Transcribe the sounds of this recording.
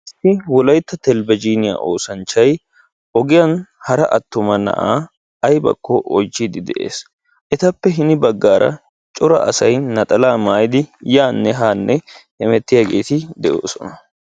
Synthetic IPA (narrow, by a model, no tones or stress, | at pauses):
ɪsːɪwɔlɐjt̪ːɐt̪ɛlbɐd͡ʒiːnɪja̰ːʔo̞ːsɐnt͡ʃːɐj | ʔɔɡɪjɐnhɐɾɐʔɐt̪ːʊmɐnɐ̰ʔa̰ː | ɐjbɐ̰kʰːɔʔɔt͡ʃːid̪ɪd̪ɛʔḛːs | ʔɛt̪ɐpːɛɦɪnɪbɐɡːaːɾɐ̰ | t͡ʃʼɔɾɐ̰ʔɐsɐjnɐt̪ʼɐlaːmaːjd̪ɪjaːnːɛɦaːnːɛhɛmɛt̪ːɪjaːɡe̞̰ːt̪ɪd̪ɛʔoːsɔnɐ